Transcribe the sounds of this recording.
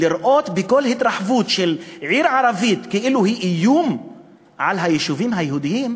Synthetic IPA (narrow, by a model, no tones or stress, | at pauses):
liɾʔot̪bekolhit̪ɾɑħvut̪ʃelʕiɾʕaɾˤavit̪keʔiluhiʔijum | ʕalɦajeʃuvimɦajeɦud̪ijiːm